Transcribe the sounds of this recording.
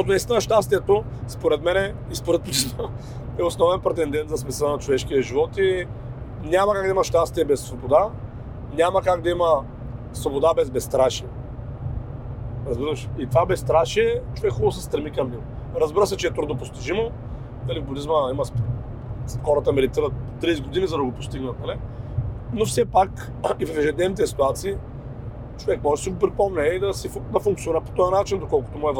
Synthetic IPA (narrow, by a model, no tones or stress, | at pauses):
ʃt̪ɔt̪ʊnist̪nɐʃt̪ast̪iɛt̪o | spoɾɛt̪mɛnɛ | ispoɾɛt̪̚plit͡ʃno | ɛosnɔvɛnpɾɛt̪ɛnd̪ɛnt̪zɐsmɛsɛnɐt͡ʃovɛʃkiɛʒivɔt̪i | nʲamɐkaɡ̚d̪ɐimɐʃt̪ast̪iɛbɛsːvobod̪a | nʲamɐkaɡd̪ɐimə | svobod̪abɛzbɛst̪ɾaʃiɛ | ɾɐzbiɾəʃit̪ovabɛst̪ɾaʃiɛt͡ʃovɛkxɔbˠsɛst̪ɾɛmikɐmːilˠɾɐzbiɾəsɛt͡ʃɛːt̪ɾud̪nopost̪iʒimo | nɐlivbʊd̪izməimɐsp | sxɔɾɐt̪əmɛlit̪iɾəot̪ɾisɡod̪inizɐd̪ɐɡopost̪iɡnət̪̚nali | nofsɛpak | ivɐfɛʒɛd̪nɛvnit̪ɛsi̥t̪uat̪siː | t͡ʃovɛkmɔʒɛsiɡʊpɾipɔmnɛid̪ɐsid̪ɐfuŋkt̪sjoniɾəpo̥t̪ɔjɐnat͡ʃind̪okɔlˠkʊ̥t̪omuɛv